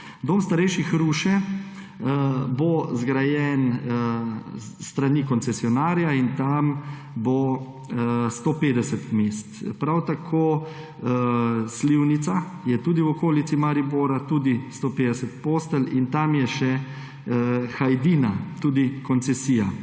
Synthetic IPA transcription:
d̪oːmst̪aɾɛjʃixɾuʃɛ | bozɡɾajɛn | t̪ɾanikɔnsɛsjɔnaːɾijaint̪am | bo | st̪opeːd̪ɛsət̪meːst̪pɾawt̪akʰoː | sliwnit̪sajɛt̪uːd̪iwɔkoːlit̪simaɾiboːɾat̪uːd̪ist̪oːpeːd̪ɛsɛt̪̚poːst̪əlint̪amjɛʃɛ | xajd̪iːnat̪uːd̪ikɔnsɛsiːja

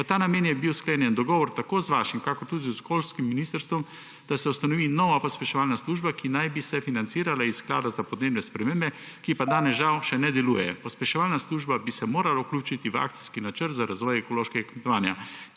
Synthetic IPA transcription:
ʋət̪aːnameːnjɛbiwskleːnjɛnd̪ɔɡɔːʋɔɾt̪akoːzʋaːʃimkakɔɾt̪uːd̪iskolskimːiniːst̪əɾst̪ʋɔm | d̪̥asɛust̪anɔʋiːnɔʋapɔspɛʃɛʋaːlnasluːʒbakinajbisɛfinant̪siːɾalaisːkla̰ːd̪azapɔd̪neːbnɛspɾɛmeːmbɛ | kipad̪aːnɛzʒawʃɛnɛd̪ɛlujɛpɔspɛʃɛʋaːlnasluːʒbabisɛmoːɾalaukluːt͡ʃit̪iʋa̰k̚tsi̥skinat͡ʃəɾt̪zaɾazʋɔjɛkɔloʃkɛɡakmɛt̪ɔʋaːnja

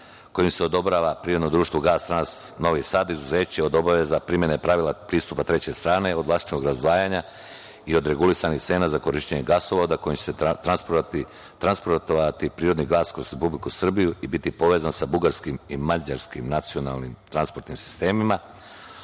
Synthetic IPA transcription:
ko̞jimseo̞d̪obɾaːʋapɾiːɾd̪nod̪ɾuːʃt̪ʋoɡaːst̪ɾasno̞ʋisaːd̪izuze̞ːt͡ɕeo̞d̪o̞baʋezapɾimje̞nepɾaʋilˠapɾiːst̪upat̪ɾe̞t͡ɕe̞st̪ɾaːne̞o̞d̪ʋlast̪i̥t͡ʃnoɡɾazd̪ʋaːjaɲa | io̞d̪ɾe̞ɡulisanixt̪e̞ːnazako̞ɾiʃt̪eɲeɡasoʋod̪ako̞jimt͡ɕe̥set̪ɾanspoɾ | t̪ɾanspoɾt̪oat̪ipɾiːɾo̞d̪niɡlˠaːskɾozɾe̞publikusr̩bijuibit̪ipo̞ʋe̞zansabuɡaɾskimimad͡ʑaɾskimnat̪siona̰lˠnimt̪ɾanspo̞ɾt̪nimsi̥st̪e̞ːmima

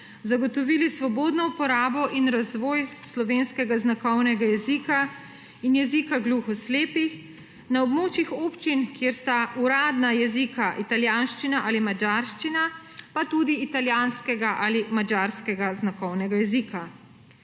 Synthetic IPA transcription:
zaɡɔt̪ɔʋilisʋɔboːd̪nɔupɔɾaːbɔʔinɾazʋɔːjslɔʋeːnskɛɡaznakɔwnɛɡajɛzika | injɛzikaɡluxɔsleːpix | naɔbmoːt͡ʃixoːpt͡ʃinkjeːɾst̪aʔuɾaːd̪najɛzikaʔit̪aljaːnʃt͡ʃinaʔaːlimad͡ʒaːɾʃt͡ʃina | pat̪uːd̪iːt̪aljaːnskɛɡaʔalimad͡ʒaɾskɛɡaznakɔwnɛɡajɛzika

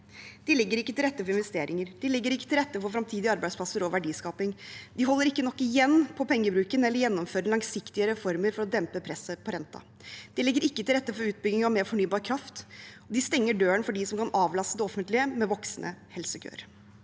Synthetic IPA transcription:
d̪̥ɪlɪɡːəɾɪkːət̪ɪlɾɛt̪ːəfɔɾɪnʋɛst̪eːɾɪŋəɾd̪ɪlɪɡːəɾɪkːət̪ɪlɾɛt̪ːəfɔɾfɾɑmt̪ʰiːd̪ɪɑɾbæɪspʰlɑsəɾɔʋæɖiːskɑːpɪŋd̪ɪɦɔlːəɾɪkːənɔkːɪjɛnːpʰɔpʰɛŋːəbɾʉːkənɛlːəɾjɛnːɔmføːɾɪlɑŋsɪkt̪ɪəɾəfɔɾməɾfɔɾɔd̪ɛmpəpʰɾɛsːəpʰɔɾɛnt̪ɑ̰ | d̪̥ɪlɪɡːəɾɪkːət̪ɪlɾɛt̪ːəfɔɾʉːt̪̚bʏɡnɪŋɔmeːɾfɔɳyːbɑːɾkʰɾɑft̪ɔd̪ɪst̪ɛŋːəɖøːənfɔɖisɔmkɑnʔɑːʋlɑst̪əd̪ɛɔfənt̪lɪəmɛʋɔksnʔə̰hɛlsəkʰø̰ːɾ

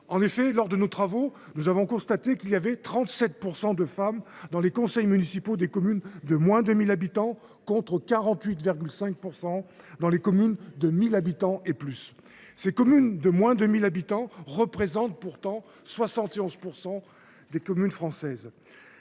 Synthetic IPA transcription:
ɑ̃nefɛlɔʁd̪ənot̪χavo | nuzavɔ̃kɔ̃st̪at̪ekilijavɛt̪χɑ̃t̪sɛt̪̚puʁsɑ̃d̪əfamd̪ɑ̃lekɔ̃sɛjmynisipod̪ekɔmynd̪əmwɛ̃d̪əmilabit̪ɑ̃ | kɔ̃t̪χəkaʁɑ̃t̪ɥit̪viʁɡʲylsɛ̃k̚puʁsɑ̃ | d̪ɑ̃lekɔmynd̪əmilabit̪ɑ̃eplys | sekɔmynd̪əmwɛ̃d̪əmilabit̪ɑ̃ʁəpχezɑ̃t̪̚puʁt̪ɑ̃ | swasɑ̃t̪eɔ̃zpuʁsɑ̃ | d̪ekɔmynfχɑ̃sɛz

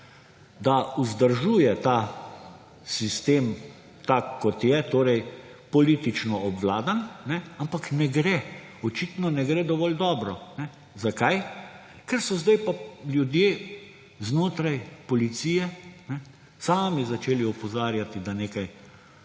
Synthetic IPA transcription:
d̪auzd̪əɾʒuːjɛt̪aː | sist̪eːm | t̪akːɔt̪jɛt̪oːɾɛjpɔliːt̪it͡ʃnɔɔbʋlaːd̪annɛampaknɛɡɾɛ | ɔt͡ʃit̪nɔnɛɡɾɛd̪ɔʋɔld̪ɔːbɾɔnɛ | zakaj | kɛɾsɔzd̪ajpaljud̪jeː | znoːt̪ɾajpɔlit̪siːjɛnɛ | saːmizat͡ʃeːliɔpɔzaːɾjat̪id̪aneːkaj

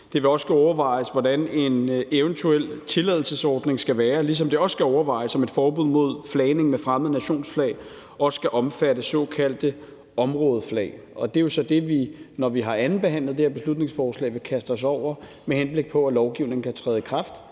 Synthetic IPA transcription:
d̥e̝ʋe̝ɒ̽sɡ̥uɒʊɐʋɑ̈ɪ̰əsʋɒdæne̝neʊənt͡sʰuel̰t͡sʰe̝lɛð̞ˠl̩səsɒːd̥ne̝ŋsɡ̥æʋæːɐlis̬ɒ̽md̥e̝ɒ̽ssɡ̥æɒʊɐʋɑ̈ɪ̰əsɒ̽me̝d̥fɒːb̥uð̰ˠmo̝ð̞̰ˠflɛːne̝ŋmefʁaməð̩ˠnæɕo̝̰ːnsflɛ̰ːɪ | ɒ̽sːɡ̥æʔɒ̽mfæɾəsɒ̽kʰæl̰d̥ə | ɒ̽mʁɔ̽ːð̞ˠəflɛ̰ɪ | ɒ̽d̥e̝jo̝sɒ̽d̥e̝ʋinɒʋiɦɑ̈ʔæn̩b̥eɦæn̰lð̩ˠd̥eheɐb̥e̝slud̥ne̝ŋsfɒːslɛ̰ːʋe̝kʰæsd̥ɐs̬ɒʊ̰ɐ | mehenb̥le̝ɡ̥̚pʰɒ̽ælɒʊɡ̥iʊne̝ŋ̩kʰæt͡sʰʁɛːðˠikʰʁɑ̈fd̥

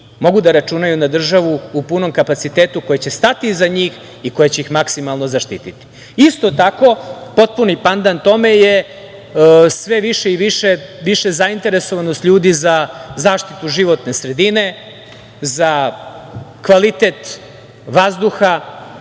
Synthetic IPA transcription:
mo̞ɡud̪aɾat͡ʃunajunad̪r̩ʒaʋuupuno̞mkapat̪sit̪eːt̪uko̞jet͡ɕe̞st̪at̪izaɲiːx | iko̞jet͡ɕe̞ixmaksimalˠno̞zaʃt̪ḭːt̪it̪i̥ | ist̪o̞t̪ako̞po̞t̪̚punipand̪ant̪o̞me̞je | sʋe̞ʋiʃeiʋiʃeʋiʃe̞zaint̪e̞ɾeso̞ʋanost̪ʎuːd̪izazaːʃt̪it̪uʒiʋo̞t̪ne̞sɾe̞d̪ine̞ | za | kʋalit̪et̪ | ʋazd̪uxa

